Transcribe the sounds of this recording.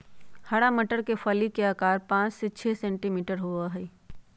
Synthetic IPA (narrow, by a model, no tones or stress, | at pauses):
hɐɽamɐʈəɾkefʰaːlikeaːkaːɾpãːt͡ʃset͡ʃʰɛːsɛ̃ːɳʈimiːʈəɾɦuaɦɛː